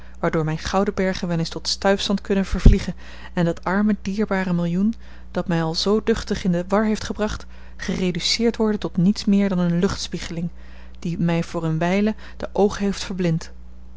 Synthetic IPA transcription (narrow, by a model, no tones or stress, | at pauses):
ʋaːɹdʊːɹmɛjnχɑwdəbɛɹχənʋɛlenstɔtstœɥfsɑntkɵnəv̥əɹvliχən | ɛndɑtɑɹmədiːɹbaːrəmɪlˠjun | d̥ɑtmɛjɑlˠzowdɵχtəχɪndəʋɑɹɦejftχəbrɑχt | χərejdysɪːɹtʋɔɹdəntɔtnitsmɪːɹdɑnənlɵχtspiχəlɪŋ | d̥imɛjvʊːɹənʋɛjlə | d̥əʔowχəɦejftfəɹblɪnt